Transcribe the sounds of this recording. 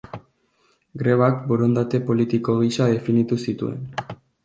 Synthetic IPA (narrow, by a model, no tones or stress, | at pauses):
ɡɾe̞βakboɾo̞nd̪at̪e̞po̞lit̪iko̞ɣisaðe̞finit̪usit̪ṵe̞̰n